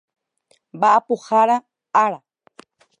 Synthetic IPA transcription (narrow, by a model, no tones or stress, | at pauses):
mbaʔapuhaɾa | aɾa